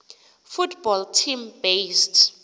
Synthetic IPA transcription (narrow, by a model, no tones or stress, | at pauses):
futʰb̥ɔltʰimbest